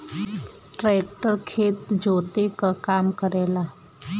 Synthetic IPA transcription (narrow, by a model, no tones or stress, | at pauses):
ʈɾeːk̚ʈəɾkʰeːt̪d͡ʒoːt̪ekakaːmkəɾeːlaː